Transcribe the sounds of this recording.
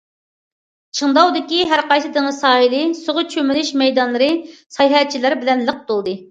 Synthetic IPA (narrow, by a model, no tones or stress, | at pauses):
t͡ʃʰəŋd̪ɑwd̪ɪkʲiɦæɾqɑjsɨd̪ɪŋɨsɑːhilɪsoʁʊt͡ʃʰømɪlɪʃmɛjd̪ɑnlˠɨɾɨsɑjɦɛt͡ʃʰilɪɾbɪlɛnləq̚t̪olˠd̪ɨ